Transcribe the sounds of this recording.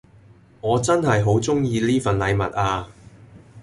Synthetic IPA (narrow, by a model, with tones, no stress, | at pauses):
ŋɔː˨˧t͡sɐ˥nɦɐ˨jɦo˨˥wt͡sʊ˥ŋjiː˧liː˥fɐ˨nlɐ˨˧jmɐ̰˨t̚ʔaː˧